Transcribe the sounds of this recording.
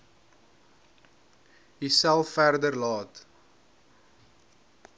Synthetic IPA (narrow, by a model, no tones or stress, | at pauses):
ɦisælˠffærdərlɑːt